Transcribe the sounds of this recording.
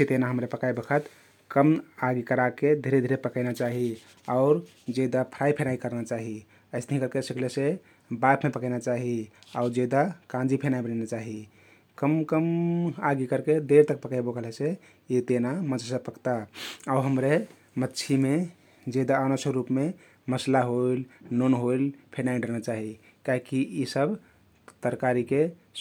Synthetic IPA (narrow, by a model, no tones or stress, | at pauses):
set̪enaɦəmɾepəkajbokʰət̪ | kəmaɡikəɾaked̪ʱiɾed̪ʱiɾepəkəɪnat͡ʃaɦi | aʊɾ | d͡ʒed̪apʰɾaipʰenaikəɾnat͡ʃaɦi | əɪstəɦĩkəɾkesikʰlese | bapʰmepəkəɪnat͡ʃaɦiaʊɾd͡ʒed̪akãnd͡ʒipʰenaibənɛnat͡ʃaɦi | kəmkəmaɡikəɾked̪eɾt̪ək̚pəkajbokəlese | it̪enamət͡ʃʰsəpəkt̪aaɦəmɾe | mətːt͡ʃʰime | d͡ʒed̪aənasəɾupme | məslaɦoilnonɦoilpʰenaĩɖəɾnat͡ʃaɦi | kaɦikiisəb | t̪əɾkaɾike